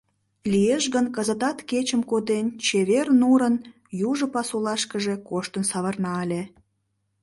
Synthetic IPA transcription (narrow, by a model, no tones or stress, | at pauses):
lijeʃɣənkəzət̪ɑt̪ket͡ɕəmkod̪ent͡ɕeβernuɾən | juʒəpɑsulɑʃkəʒe̽koʃt̪ənsɑβərnɑelʲe